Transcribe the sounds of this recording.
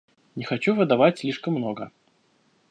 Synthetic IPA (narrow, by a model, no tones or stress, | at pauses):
nʲɪxɐt͡ɕuvɨd̪ɐvatʲsʲlʲiʂkəmːnoɡə